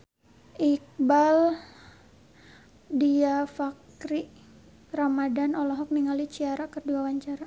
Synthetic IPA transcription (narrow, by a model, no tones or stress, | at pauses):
ʔik̚bal | diafak | ɾiʔ | ramadanɔlɔɦɔk̚niŋalit͡ʃiaɾakərduawaɲt͡ʃaɾa